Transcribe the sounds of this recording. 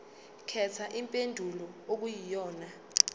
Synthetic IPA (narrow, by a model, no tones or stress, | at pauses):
kʰɛtʰaʔimpʼendʱulɔok̬ujijɔːna